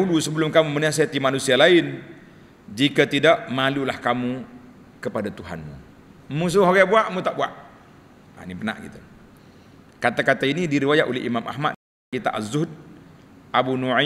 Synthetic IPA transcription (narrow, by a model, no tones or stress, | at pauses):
ulusəbəlʊmkamumənias̬at̪imanusialaɪn | d͡ʒikat̪idaʔmalulahkamu | kəpadat̪uɦa̰nmṵ | mus̬uɦoɡabuaʔmut̪aʔbuaʔ | a̰nipəna̰ʔɡḭt̪u | kat̪akat̪ainidiɾiwajaʔolɛhḭmamʔa̰hma̰ | kit̪a̰ʔazʊhd̚ | ʔabunua